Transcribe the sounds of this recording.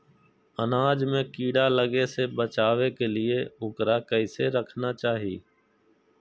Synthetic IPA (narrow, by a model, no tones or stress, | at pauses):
ənaːd͡ʒmẽkiːɽaləɡesebət͡ʃaːʋekelɪeʊkɾakəɪseɾəkʰnat͡ʃaːɦḭː